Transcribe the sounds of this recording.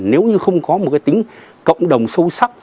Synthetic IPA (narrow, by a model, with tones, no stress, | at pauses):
ne˨˦wɲɨ˧xə˧wŋ͡mkɔ˨˦mo˨˩t̚kaː˨˦t̪ï˨˦ŋ̟kə̰˧˨wŋ͡mɗə˨˩wŋ͡msə˧wsa˦˥p̚